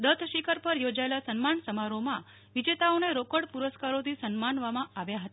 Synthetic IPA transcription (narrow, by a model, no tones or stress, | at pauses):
d̪ət̪ʰʃikʰəɾpəɾjod͡ʒaelasənmaɳsəmaɾomã | ʋid͡ʒet̪aoneɾokəɽpuɾəskaɾot̪ʰisənmanʋamãaʋjaɦət̪a